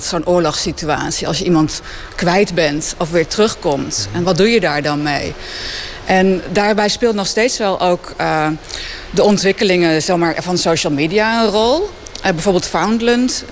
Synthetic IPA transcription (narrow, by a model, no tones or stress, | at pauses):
tsoːnʔʊːɹlɔχsitya̰ːtsiɑ̰lˠsjəʔimɑnt | kʋɛjtbɛntɔfʋɪːɹtərɵχkɔmtɛnʋɑd̚dujədaːɹdɑnmej | ʔɛndaːɹbɛjspɪːlˠtnɔχstejtsʋɛlˠʔowk | dəɔntʋɪkəlɪŋəzɛmaːɹvɑnsowʃəlˠmiːdijaənrɔlˠ | bɛjvoːbɪːlˠtfawndlənt